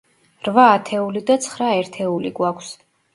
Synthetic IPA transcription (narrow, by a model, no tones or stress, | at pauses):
ɾvaːt̪ʰɛulid̪at̪sʰχɾaɛɾt̪ʰɛuliɡwakʷʰs